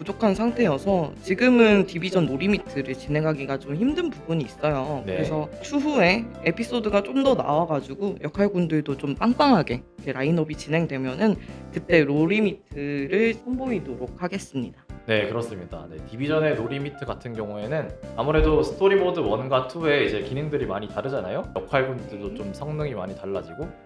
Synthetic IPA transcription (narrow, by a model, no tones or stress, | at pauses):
pud͡ʑokʰansʰaŋtʰe̞jʌsʰʌt͡ɕiɡɯmɯntibid͡ʑʌnːoɾimitʰɯɾɯɭt͡ɕinɦe̞ŋɦaɡiɡat͡ɕomçimdɯnpubuɲiːs͈ʌjokɯɾe̞sʰʌtʰuɦue̞epʰis͈odɯɡat͡ɕ͈omdʌna̰waɡad͡ʑuɡojʌkʰaɭɡundɯɭdot͡ɕ͈omp͈aŋp͈aŋɦaɡe̞kʰeɾainʌbit͡ɕinɦe̞ŋdwe̞mjʌnɯnkɯt͈e̞ɾoɾimitʰɯɾɯɭsʰʌmboidoɾok̚ʰaɡe̞s͈ɯmɲidane̞kɯɾʌs͈ɯmɲida̰ne̞tibid͡ʑʌne̞noɾimitʰɯɡatʰɯnɡjʌŋue̞nɯnamuɾe̞dosʰɯ̥tʰoɾimodɯwʌnɡatʰue̞id͡ʑe̞kineŋdɯɾimaɲitaɾɯd͡ʑanajojʌkʰaɭɡundɯɭdot͡ɕomsʰʌŋnɯŋimaɲitaɭːad͡ʑiɡo